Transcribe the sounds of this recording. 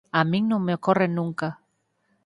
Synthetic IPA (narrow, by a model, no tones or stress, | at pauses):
amĩŋnõŋmeokorenũŋka